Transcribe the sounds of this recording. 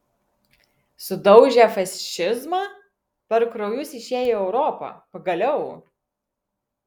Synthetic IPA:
sʊd̪ɒʊʒʲæfɐsʲʃʲɪzmɑː | pɐɾkɾɔʊjʊsɪʃʲeːjoːɛʊɾɔpɐ̰pɐɡɐlʲɛʊ

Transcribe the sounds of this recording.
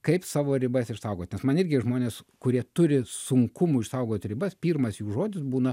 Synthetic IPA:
kɐɪpsɑːʋoːɾʲɪbɐsɪʃsɐʊɡoːt̪nʲɛsmɐnɪrʲɡʲɪʒmoːnʲeːskʊɾʲiɛt̪ʊɾʲɪsʊŋkʊmuːɪʃsɐʊɡoːt̪ʲɾʲɪbɐspʲiːrmɐsjuːʒoːd̪ʲɪsbuːnɐ

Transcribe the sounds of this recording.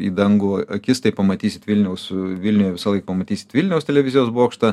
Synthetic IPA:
ḭːd̪ɐŋɡʊɐɐkʲɪst̪ɐɪpɐmɐt̪ʲiːsʲɪt̪ʋʲɪlʲnʲɛʊsʋʲɪlʲnʲʊjɛʋʲɪsɐlˠɐɪkɐpɐmɐt̪ʲiːsʲɪ̥t̪ʋʲɪlʲnʲɛʊst̪ʲɛlʲɛʋʲɪzʲɪjoːsboːkʃt̪ɐ

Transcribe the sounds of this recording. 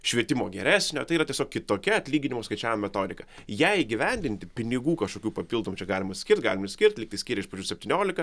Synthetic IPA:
ʃʲʋʲiɛt̪ʲɪmoːɡʲɛɾʲæːsʲnʲoːt̪ɐɪiːɾɐt̪ʲiɛsʲoːkʲɪt̪oːkʲɛɐt̪ʲlʲiːɡʲɪnʲɪmoːskɐɪt͡ʃʲæːʋɪmɐmʲɛt̪oːd̪ʲɪkɐjɛɪɪɡʲɪʋʲɛnʲd̪ʲɪnʲt̪ʲɪpʲɪnʲɪɡuːkɐʃkoːkʲuːpɐpʲilˠd̪oːmuːt͡ʃʲɛɡɑːlʲɪmɐsʲkʲɪɾʲrt̪̚ʲɡɑːlʲɪmsʲkʲɪɾʲt̪ʲlʲɪkt̪ɐɪsʲkʲɪːɾʲɛɪʃpɐd͡ʒʲʊːsʲɛp̚ʲt̪ʲiːnʲoːlʲɪkɐ

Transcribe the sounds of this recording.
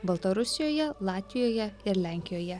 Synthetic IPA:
bɐlˠt̪ɐɾʊsʲɪjoːjɛlˠɑːt̪ʲʋʲɪjoːjɛɪɾlʲæˑŋʲkʲɪjoːjɛ

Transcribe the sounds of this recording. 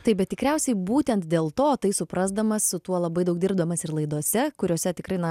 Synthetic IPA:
t̪ɐɪp̚bʲɛt̪̚ʲtʲɪkɾʲɛʊsʲɛɪbuːt̪ʲɛnt̪d̪ʲeːlˠt̪oːt̪ɐɪsʊpɾɐzd̪ɐmɐssʊt̪uɔlˠɐbɐɪd̪ɐʊkd̪ʲɪɾbd̪ɐmɐsɪrlˠɐɪd̪uɔsʲɛkʊɾʲoːsʲɛt̪ʲɪkɾɐɪnɐ

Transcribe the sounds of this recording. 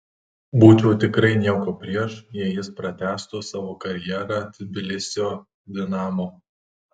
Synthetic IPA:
buːt͡ʃʲoːt̪ʲɪkɾɐɪnʲiɛkoːpʲɾʲiɛʃjɛɪjɪspɾɐt̪ʲæːst̪oːsɑːʋoːkɐɾʲjɛːɾɑt̪ʲɪbʲɪlʲɪsʲɪjoː | d̪ʲɪnɑːmoː

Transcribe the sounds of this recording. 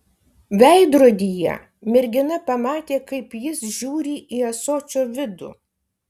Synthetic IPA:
ʋʲɛˑɪd̪ɾoːd̪ʲijɛ̰ | mʲɪɾʲɡʲɪnɐpɐmɑːt̪ʲeːkɐɪpjɪsʒʲuːɾʲiːʔiːɐsoːt͡ʃʲoːʋʲɪd̪ṵː

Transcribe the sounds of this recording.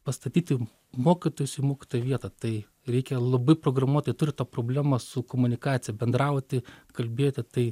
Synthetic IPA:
pɐst̪ɐt̪ʲiːt̪ʲɪ | moːkʲɪt̪oːjʊsʲiːmoːkʲɪ̥t̪oːjɛʋʲiɛt̪ɐt̪ɐɪ | ɾʲɛɪkʲɛlˠɐbɐɪpɾoːɡrɐmuɔt̪ʲɐɪt̪ʊɾʲɪt̪ɑːpɾoːbʲlʲæːmɐsʊkomʊnʲɪkɑːt̪sʲɪjɛbʲɛnd̪ɾɐʊt̪ʲɪkɐlʲbʲeːt̪ʲɪt̪ɐɪ

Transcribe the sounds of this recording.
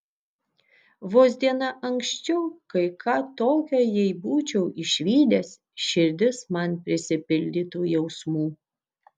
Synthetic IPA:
ʋoːzʲd̪ʲiɛnɐʔɐŋksʲt͡ʃʲɛʊkɐɪkʰɑːt̪oːkʲoːjɛɪbuːt͡ʃʲɛʊɪʃʲʋʲiːd̪ʲes | ʃʲɪɾʲd̪ʲɪsmɐnpʲɾʲɪsʲɪpʲɪlʲd̪ʲiːt̪uːjɛʊsmuː

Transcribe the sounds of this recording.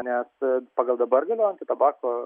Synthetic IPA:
nʲɛspɐɡɐlˠd̪ɐbɐɾɡʲɐlʲeɐnʲt̪ʲɪt̪ɐbɑːko

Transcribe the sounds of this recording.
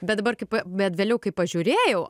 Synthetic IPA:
bʲɛt̪d̪ɐbɐrkɐɪpɐbʲɛt̪ʋʲeːlʲɛʊkɐɪppːɐʒʲʊɾʲeːjɛʊ

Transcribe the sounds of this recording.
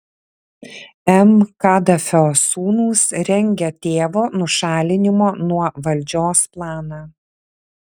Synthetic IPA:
ɛmkɑːd̪ɐfʲoːsuːnuːsɾʲɛŋʲɡʲɛt̪ʲeːʋoːnʊʃɑːlʲɪnʲɪmoːnuɔʋɐlʲˑd͡ʒʲoːsplˠɑːnɑː

